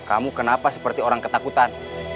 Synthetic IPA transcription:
kamukənapasə̥pərt̪ioɾaŋkət̪akut̪an

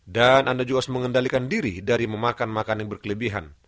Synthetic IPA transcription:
danʔandad͡ʒuasməŋəndalikandiɾḭdaɾiməmakanmakanaŋbərkələbiɦa̰n

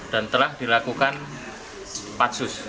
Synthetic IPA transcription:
d̥ant̪əlahd̥ilakukan | pat̪sʊs

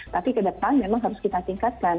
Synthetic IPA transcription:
t̪apikədəpaŋmemaŋɦaɾʊskit̪at̪iŋkat̪̚kan

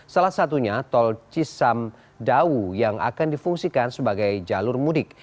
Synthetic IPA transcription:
salasat̪uɲat̪ɔlt͡ʃisam | daujaŋa̰kandifuŋsikansəbaɡajd͡ʒalʊrmudɪk̚

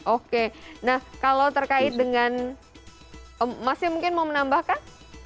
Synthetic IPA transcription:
ʔokenahkalot̪ərkaɪt̪̚dəŋan | əmasɪmuŋkɪnmaumənambahkan

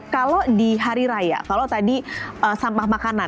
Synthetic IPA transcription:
kalodiɦaɾiɾaja̰kalot̪adiəsampahmakana

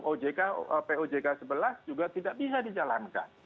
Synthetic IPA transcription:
ʔod͡ʒekaəpeod͡ʒekasəbəlasd͡ʒuɡat̪idaʔbis̬adid͡ʒalanka̰n

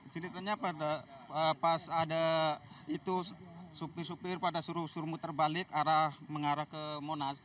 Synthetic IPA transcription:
t͡ʃənit̪aɲapadaəpasadait̪usupɪrsupɪrpadasuɾusurmut̪ərbalɪkaɾahməŋaɾahkəmonas

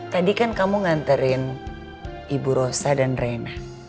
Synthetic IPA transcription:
t̪adikankamuŋant̪əɾɪn | ibuɾosadanrena

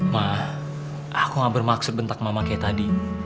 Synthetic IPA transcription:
mah | akuŋabərmaksʊt̪̚bənt̪ak̚mamakajat̪adi

